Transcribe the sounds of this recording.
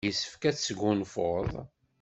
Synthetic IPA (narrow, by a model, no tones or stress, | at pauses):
əsə̥fkæt͡ssəɡʊnfoðˤ